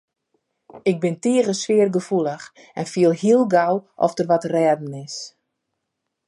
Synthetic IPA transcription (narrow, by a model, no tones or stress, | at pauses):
ɪk̚bɪntiəɣəsʋɪərɡəfulˠəx | ɛnfiəlˠhiəlˠɡawʔɔ̰fdərʋɔtrɛːdn̩ɪs